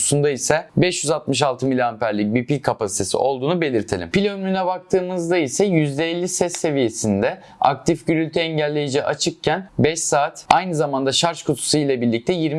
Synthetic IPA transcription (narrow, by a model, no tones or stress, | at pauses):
sund̪aisɛbɛʃjyzat̪mɯʃ̬alˠt̪ʰɯmilʲiampʰæɾlʲic̚biɾpilʲkʰapasi̥t̪ʰe̞sḭo̞lˠd̪uːnube̞lʲiɾt̪ʰe̞̰lʲimpilʲønʲmynɛbak̚t̪ʰɯːmɯzd̪aisɛjyzd̪ɛːlʲːisɛsːe̞vije̞sind̪ɛ | a̰k̚t̪ʰifɟyɾylʲt̪ʰɛɛɲɟælʲːe̞jed͡ʒɛːʔat͡ʃʰɯk̚cʰænbɛʃsaːt̪ajnɯzamand̪aʃaɾʃkʰut̪ʰu̥sɯjlʲˠɛbiɾlʲic̚t̪ʰɛjiɾm